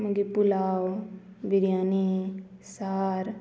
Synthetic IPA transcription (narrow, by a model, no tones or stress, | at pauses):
mɐɡipulaːw | biɾjaːne | saːɾ